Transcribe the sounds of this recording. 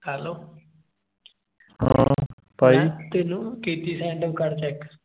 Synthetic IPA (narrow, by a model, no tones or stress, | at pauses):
hɛloː | ɦã̰ː | paːiːt̪ɪnũːkiːt̪iːsɛ̃ːɳɖəmkəɾt͡ʃɛːk